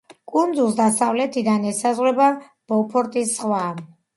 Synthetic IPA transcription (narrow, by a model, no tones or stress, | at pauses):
kʼund̪zulˠsd̪asavlɛt̪ʰid̪anɛsazʁwɾɛba | b̥ɔpʰɔɾt̪ʼisːχwa